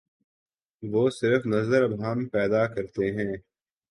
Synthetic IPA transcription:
ʋoːsɪɾfnɐzəɾɐbɦaːmpɛːd̪akɐɾt̪eɦɛ̃ː

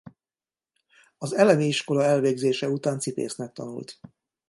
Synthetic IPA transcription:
ɒzɛlɛmiiʃko̞lɒɛlveːɡzeːʃɛut̪aːnt̪sipḛːsnɛk̚t̪ɒ̰nṵlt̪

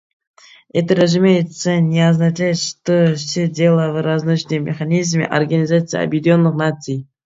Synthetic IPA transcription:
ɛt̪əɾɐzumʲejɪt̪sənʲeɐznat͡ʃajɪt̪ʂt̪ofsʲedʲelˠəvɨɾaznut͡ɕnɨjmʲɪ̰xanʲizmʲɪ̰ʔɐ̰rɡɐnʲɪzat̪sɨjɐ̰bʲjɪdʲonːɨχnat̪sɨj

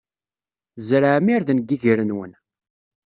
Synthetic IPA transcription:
zɾaʕmiɾðənɡiʝəɾənwə̰n

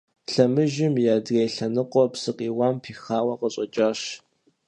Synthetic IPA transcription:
ɬɐmɨʒɪmjaːdrejɬɐnɨqʷʼɔpsɨqʼiːwɑːmpʰiːxaːwɐqəɕʼɐt͡ʃʼɐɕ

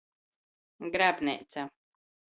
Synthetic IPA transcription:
ɡɾæpnʲɛ̰t̪sa

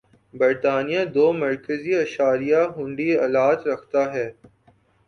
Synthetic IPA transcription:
bɪɾt̪aːnijãd̪oːmɐɾkəziɐʃaːɾijaɦʊ̃ɳɖiɐlaːd͡ʒɾɐkʰt̪aɦɛː

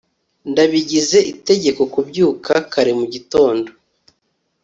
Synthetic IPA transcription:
ndaβiɟize̞ʔite̞ɟe̞ko̞kubɟuːkakaɾimuɟito̞ːndo̞

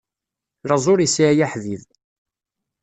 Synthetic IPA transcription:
ləzˤoɾisijaħðið

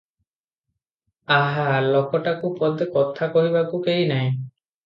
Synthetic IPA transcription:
aɦalokɔʈakupɔd̪ekɔt̪ʰakɔɦibakukeɦinaj̃

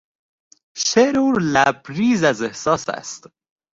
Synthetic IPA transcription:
ʃeɾuɾlæbɾiːzæzehsɒːsæ̰st̪

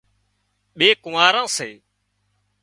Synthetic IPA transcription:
ɓeːkʊʋaːɾãːseː

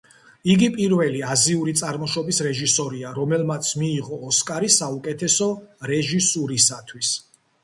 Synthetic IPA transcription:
iɡipʼiɾvɛliaziuɾit̪sʼaɾmɔʃɔbisɾɛʒisɔɾiaɾɔmɛlmat̪sʰmiːʁɔːskʼaɾisaukʼɛt̪ʰɛsɔɾɛʒisuɾisat̪ʰwis

